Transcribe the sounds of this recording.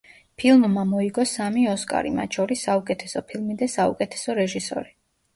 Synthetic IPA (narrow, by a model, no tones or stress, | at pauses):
pʰilˠmːamɔiɡɔsamiɔskʼa̰ɾima̰t̪ʃʰɔɾisːaukʼɛt̪ʰɛsɔpʰilˠmid̪ɛsaṵkʼɛt̪ʰɛ̥sɔɾɛʒisɔ̰ɾi